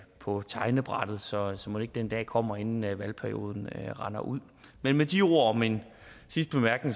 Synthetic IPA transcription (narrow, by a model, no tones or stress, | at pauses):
pʰɒ̽t͡sʰɑ̈ɪnəb̥ʁɑ̈d̥ð̞̩ˠsɒ̽sɒ̽mune̝ɡ̥̚d̥end̥ɛ̰ːkʰɒ̽m̰ɐe̝nn̩æʋælpʰæɐio̝̰ːð̞ˠn̩ʁɑ̈nɐʔuð̰ˠ | menmed̥io̝ɐ̰ɒmen | sisd̥əb̥emæɐɡ̥n̩